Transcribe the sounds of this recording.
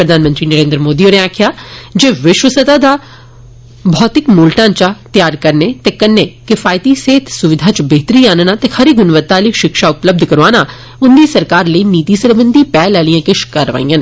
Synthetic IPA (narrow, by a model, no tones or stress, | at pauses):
pɾəd̪ʱaːnmə̃nt̪ɾiːnəɾẽːnd̪ɾəmoːd̪iːoːnẽaːkʰɪjaːd͡ʒeːʋɪʃwəsət̪aːd̪aː | bʱɔːt̪ɪkmuːlʈãːt͡ʃat̪jaːɾkəɾneːt̪eːkənːeːkɪfʰaːɪt̪iːseːt̪ʰsʊʋɪd̪ʱaːt͡ʃbeːt̪əɾiːaːnnaːt̪eːkʰəɾiːɡʊnʋət̪ːaːliːʃɪkʃaːʊpləb̚d̪ʱkəɾʋaːnaː | ʊnd̪iːsəɾkaːɾləiːniːt̪iːsəɾbənd̪ʱiːpɛːlɛːlijãːkɪʃkəɾʋa̰ːĩːãːn